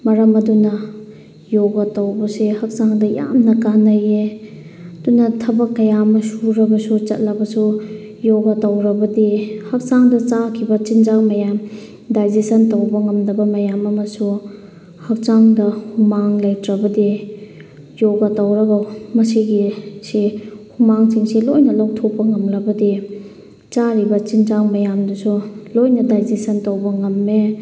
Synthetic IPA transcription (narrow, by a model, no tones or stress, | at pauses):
mɐɾɐmɐdunɐ | joɡɐtɐwbɐsehɐk̚t͡ʃaŋdɐja̰mnɐkanɐje | ɐdunɐtʰɐbɐkːɐjamɐsuɾɐbɐsut͡ʃɐ̰t̚lɐbɐsu | joɡɐtɐwɾɐbɐdihɐk̚t͡ʃaŋdɐt͡ʃakʰibɐt͡ʃind͡ʒak̚mɐjam | dajd͡ʒisɐntowbɐŋɐmdɐbɐmɐjamɐmɐsu | hɐk̚t͡ʃaŋdɐhumaŋlajtɾɐbɐdi | joɡɐtawɾɐɡawmɐsiɡisihumaŋsiŋsilojnɐlawtʰok̚pːɐŋɐmɾɐbɐdi | t͡ʃaɾibɐt͡ʃinzaŋmɐjamdusulojnɐdajd͡ʒisɐntɐwbɐŋɐmːe